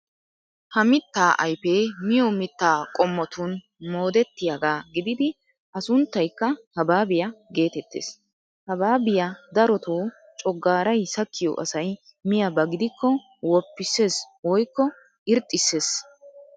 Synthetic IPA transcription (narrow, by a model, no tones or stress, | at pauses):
hɐmɪt̪ːaːʔɐjpeːmɪjɔmɪt̪ːaːkʼɔmːɔt̪ʊn | mo̞ːd̪ɛt̪ːɪjɐɡaːɡɪd̪ɪd̪ɪ | ʔɐsʊnt̪ːɐjkːɐhɐbaːbɪjɐɡe̞ːt̪ɛt̪ːḛːs | hɐbaːbɪjad̪ɐɾɔt̪oː | t͡ʃʼɔɡːaːɾɐjsɐkʰːɪjɔ̰ʔɐsɐj | mɪjɐbɐɡɪd̪ɪkːɔ | wɔpːɪsːe̞ːs | wɔjkːɔ | ɪɾt̪ʼːɪsːe̞ːs